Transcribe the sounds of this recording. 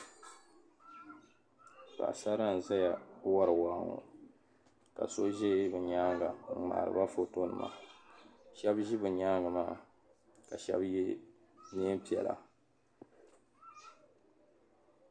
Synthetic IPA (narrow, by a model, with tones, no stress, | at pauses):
ka̰˨sa˦ɾa˦n̩˨za˦ja˨˦wa˦ɾɨ˨wa˨˦˨ŋo̰˨ | ka̰˨so˦ʒe˦bɨ˨ɲaː˦ŋɡa˨ŋ̩˨ma̰ː˨ɾɨ̰˨ba˦fo˨to˦nɨ˨ma̰˨ | ʃɛ˦bʒi˦bɨ˨ɲaː˦ŋɡa˨maː˦ | ka˨ʃɛ̰˦bje˦ | ne˦m˦pi˨ɛ˨la̰˨